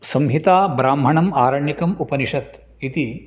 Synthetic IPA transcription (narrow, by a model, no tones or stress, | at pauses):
sɐmɦit̪aːbɾaːmɦɐɳɐmaːɾɐɳjikɐmupɐniʂɐt̪ | it̪i